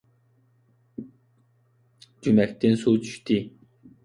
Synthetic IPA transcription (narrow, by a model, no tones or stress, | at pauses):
d͡ʒymɛk̚ʲt̪ʰɪnsut͡ʃʰy̥ʃt̪ʰi